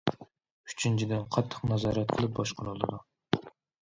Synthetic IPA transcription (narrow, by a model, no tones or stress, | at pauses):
y̥t͡ʃʰint͡ʃʰid̪ɪnqʰɑt̪ʰːə̥qnɑzɑːɾɛt̪̚qʰəlˠɨp̚bɑʃqʰʊɾulˠɨd̪u